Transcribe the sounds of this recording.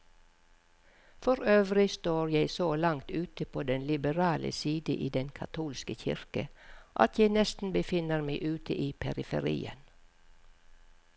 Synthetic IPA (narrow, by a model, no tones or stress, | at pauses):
fɔɾøːʋɾɪst̪oːɾjæɪsoːlɑŋt̪ʉːt̪əpʰoːd̪ɛnlɪbəɾɑːlʔə̰siːd̪ə̰ʔiːd̪ɛnkʰɑ̰t̪ʰuːlskəçɪ̰ɹkəʔɑ̰t̪jæɪnɛst̪n̩bəfɪnəɾmæɪʔʉːt̪ʰəʔiːpʰɛɾɪfə̰ɾḭːə̰n